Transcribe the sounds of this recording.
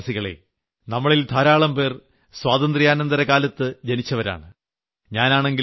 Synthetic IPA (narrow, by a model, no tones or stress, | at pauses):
siɣɐɭḛ | nɐmːɐɭilt̪ʰaːɾaːɭɐmpe̞ːr | swaːd̪ɐnd̪rijaːnɐnd̪ɐɾɐkaːlɐt̪ːɨd͡ʑenit͡ɕːɐʋɐɾa̰ːɳɨ | ɲaːnaːɳe̞ŋɡi